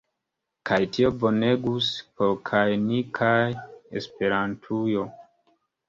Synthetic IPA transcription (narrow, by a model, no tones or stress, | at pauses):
kajtio̞bo̞neɡuspolkʰajnikʰajḛspe̞ɾantʰujo̞